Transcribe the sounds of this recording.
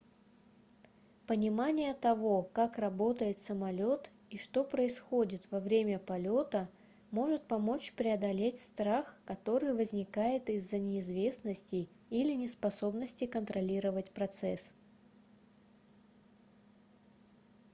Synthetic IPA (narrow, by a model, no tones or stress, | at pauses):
pənʲɪmanʲɪjət̪ɐvo̞kakrɐbo̞t̪əjɪt̪səmɐlʲo̞t̪ | iʂt̪o̞pɾəɪsxo̞dʲɪt̪vɐvɾʲemʲəpɐlʲo̞t̪ə | mo̞ʐɨt̪̚pɐmo̞t͡ɕpɾʲɪɐd̪ɐlʲetʲst̪ɾaxkɐt̪o̞ɾɨjvəzʲnʲɪkajɪt̪ɪzːənʲɪːzvʲe̞snəsʲtʲɪ | ilʲɪnʲɪspɐso̞bnəsʲtʲɪkənt̪ɾɐlʲiɾəvətʲpɾɐt̪sɛs